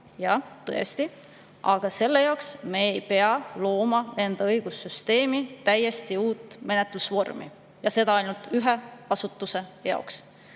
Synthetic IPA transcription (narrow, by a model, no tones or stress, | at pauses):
jɑt̪ɤ̞̰est̪i | ɑɡ̥ɑse̞lːe̞jɑoksme̞ejpe̞ɑlo̞ːmɑe̞nd̪̥ɑɤjɡ̥usːyst̪e̞ːmit̪æjːe̞st̪iuːt̪ːˑme̞net̪lusvo̞rmḭ | jɑse̞d̪ɑɑjnult̪yɦeɑsut̪ˑːuse̞jɑ̰oks